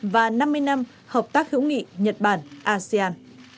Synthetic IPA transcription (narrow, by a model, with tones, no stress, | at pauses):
vaː˨˩na˧mːɨ˧əjna˧m | həː˨˩p̚t̪aː˦˥k̚hḭ˧˥wŋḭ˧˨ɲə˨˩t̚ɓaː˧˩nʔaː˧si˧aː˧n